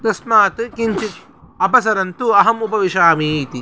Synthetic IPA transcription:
t̪ɐsmaːt̪ɨkiɲt͡ʃi | ɐpɐs̬ɐɾɐnt̪uɐɦɐmupɐʋiʃaːmiːt̪i

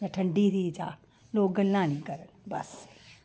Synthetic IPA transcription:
jaʈʰɐɳɖit̪ʰid͡ʒa̰ː | loːɡɡɐlːãːnikɐɾənbɐ̰s

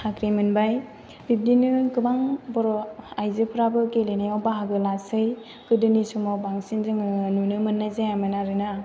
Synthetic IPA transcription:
hakɾimɯnbaj | bip̚dinɯkɯbaŋbɔɾɔajzɯpʰɯɾabɯkelenajawbaɦaɡɯlasɯj | kɯdɯnisumɔbaŋsinzɯŋɯnunɯmɯnːazajamɯnaɾɯna

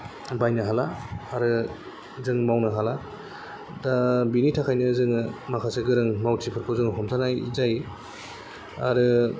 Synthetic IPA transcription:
bajnɯɦalaːɾɯ | zɯŋmawnɯɦala | dabinitʰakʰajnɯzɯŋɯmakʰaseɡɯɾɯŋmawtʰipʰɯɾpʰɔzɯŋɦɔmtʰanajzaj | aɾɯ

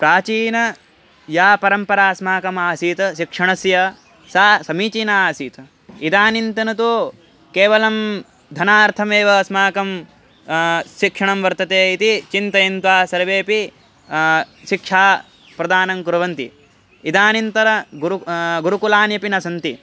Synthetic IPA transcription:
pɾaːt͡ʃiːnɐ | jaːpɐɾɐmpɐɾaːsmaːkɐmaːsiːt̪ɐʃikʂɐɳɐsjɐ | saːsɐmiːt͡ʃiːnaaːsiːt̪ɐ | id̪aːnint̪ɐnɐt̪̬oː | keːʋɐlɐm | d̪ʱɐnaːɾt̪ʰɐmeːʋɐsmaːkɐm | ʃikʂɐɳɐmʋɐɾt̪ɐt̪eːit̪it͡ʃint̪ɐjint̪ʋaːsɐɾʋeːpi | ʃikʂaː | pɾɐd̪aːnɐmkuɾɐʋɐnt̪i | id̪aːnint̪ɐɾɐɡuɾɡuɾukulaːnjɐpinɐsɐnt̪i

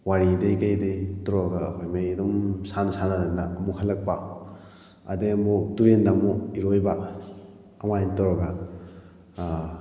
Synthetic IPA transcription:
waɾidejkajdetɔɾɔɡaːpʰajmejdɔmsansanadanaːmuhɐlːɐk̚pa | ɐ̰deɐmuduɾendamuiɾojba | ɐmantɔɾɔɡa

